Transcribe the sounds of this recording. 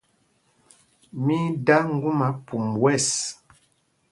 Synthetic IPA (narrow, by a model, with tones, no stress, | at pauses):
mi˦da˦ŋ̩˦ɡu˦ma˨˦pu˨mwɛ˦˨s